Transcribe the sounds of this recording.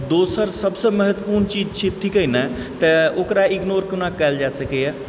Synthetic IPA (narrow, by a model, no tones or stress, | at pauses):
d̪oːsəɾsəbseməɦət̪wəpuːɾnt͡ʃiːd͡ʒt͡ʃʰɪt̪ʰːikəina | t̪ɛokɾaɪɡnoːɾkɪnãːkɛld͡ʒaːsəkeɛː